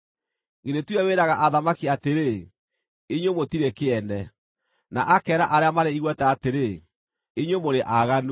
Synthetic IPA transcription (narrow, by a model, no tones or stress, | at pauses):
ɣenetwɛweːɾaɣaʔaðamakiateɾe | eɲomotiɾekeɛndɛ | naʔakɛːɾaʔaɾeamaɾeiɣwɛtɛateɾe | eɲwomoɾeʔaɣano